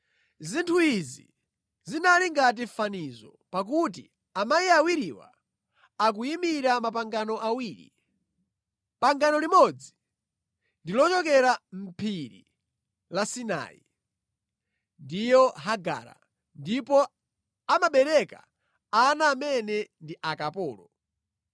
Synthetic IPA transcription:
zintʰuizḭ | zinaliŋɡat̬ifanizɔ̰ | pak̬utḭ | amajiawiɾiwa̰ | ak̬uimiɾamapaŋɡanɔʔawiːɾḭ | paŋɡanɔlimɔd͡zi | ndilɔt͡ʃɔkɛɾam̩pʰiɾḭ | lasina̰ːḭ | ndijɔɦaɡa̰ːɾa̰ | ndipɔ | amaɓɛɾɛka̰ | anaːmɛnɛndiʔakapɔːlɔ

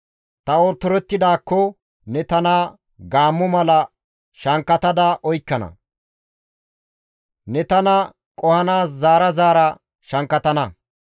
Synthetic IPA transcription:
t̪ɐɔːɾt̪ːɔɾɛt̪ːɪd̪aːkːɔ | nɛt̪ɐna | ɡaːmːɔmɐlɐ | ʃɐŋkːɐt̪ɐd̪ɐʔɔjkːɐnɐ̰ | nɛt̪ɐnɐ | kʼɔhɐnaːs̬zaːɾɐzaːɾɐ | ʃɐŋkːɐt̪ɐnɐ

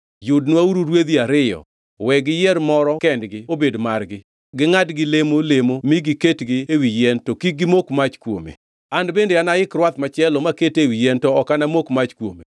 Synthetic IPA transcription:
jʊdnwauɾuɾwed̪iaɾɪjɔ̰ | wɛɡɪjɛɾmɔɾɔkɛndɡɪobedmarɡɪ | ɡɪŋadɡɪlemolemomiɡɪketɡɪewijɛntokiɡɪmokmat͡ʃkwo̰mḛ | andbendeanaɪkɾwat̪mat͡ʃɛlɔmaketewijɛntɔɔkanamokmat͡ʃkwo̰me

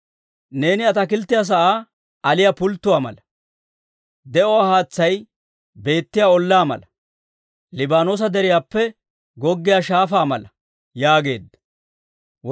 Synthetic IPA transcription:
ne̞ːnɪɐt̪ɐkɪlt̪ːɪjaːs̬ɐʔaː | ɐlɪjapʊlt̪ːʊwaːmɐ̰lɐ | d̪ɛʔɔwaːhaːt͡sːɐj | be̞ːt̪ːɪjaːɔlːaːmɐ̰lɐ | lɪbaːnoːs̬ɐd̪ɛɾɪjaːpːɛ | ɡɔɡːɪjaːʃaːfaːmɐ̰lɐ | jaːɡe̞ːd̪ːɐ̥

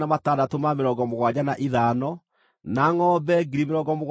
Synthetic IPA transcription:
namataːdatomameɾɔːɡɔmoɣwad͡ʑanaʔiðaːnɔ | naŋɔːbɛɡiɾimeɾɔːɡɔmoɣ

